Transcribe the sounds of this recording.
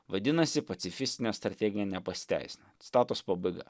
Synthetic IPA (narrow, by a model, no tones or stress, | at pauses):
ʋɐd̪ʲɪnɐsʲɪpɐt̪sʲɪfʲɪsʲt̪ʲɪnʲeːst̪ɾɐt̪ʲɛɡʲɪnʲeːnʲɛpɐsʲɪ̥t̪ʲæ̰ɪsʲɪnʲɐst̪ɑːt̪ʊspɐbɐɪɡɐ̰